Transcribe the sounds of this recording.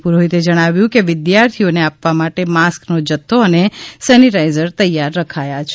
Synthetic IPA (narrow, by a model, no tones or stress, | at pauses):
puɾoɦit̪ed͡ʒəɽ̃aʋjũkeʋɪd̪jaɾt̪ʰioneapʋamaʈemasknod͡ʒət̪ʰːoənesɛniʈaizəɾt̪əjaɾːəkʰajat͡ʃʰ